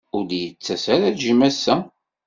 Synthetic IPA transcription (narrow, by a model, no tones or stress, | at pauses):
ʊɾd̪jət͡sːæsæɾælʒimæsːæ